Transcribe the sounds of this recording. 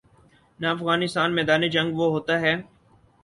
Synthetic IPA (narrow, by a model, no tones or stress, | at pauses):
naɐfɣaːnɪst̪aːnmɛːd̪aːned͡ʒɐ̃ŋɡʋoɦoːt̪aɦɛː